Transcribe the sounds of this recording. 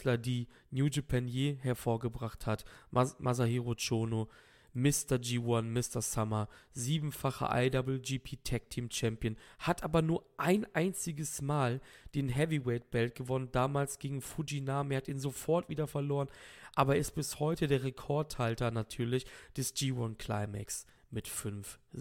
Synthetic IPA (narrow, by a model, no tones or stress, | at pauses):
lɐdiː | njuːd͡ʒipʰɛnjeːhɛɐfoːɐɡəbʁaχthatmʔazaheʁot͡ʃoːno | mɪstɐd͡ʒiːwɔnmɪstɐsamaziːbm̩faχɐ̰ʔa̰ɪdɔbl̩d͡ʒiːpʰiːtʰɛk̚tʰiːmt͡ʃɛmpjənhatʔaːbɐnuːɐʔaɪnʔaɪnt͡sɪɡəsmaːld̥eːnɦɛviwɛɪt̚b̥ɛlt̚ɡ̥əvɔnəndaːmaːlsɡ̥eːɡŋ̩fud͡ʒinaːmeːɐhatiːnzofɔɐtv̥iːdɐfɛɐloːʁənʔaːbɐɛɪst̚b̥ɪshɔʏtədeːɐʁ̞ekʰɔɐthaltɐnatʰyːɐlɪçd̥ɛsd͡ʒ̥iːwɔnkʰl̥aɪmɛ̰ks | mɪtfʏnf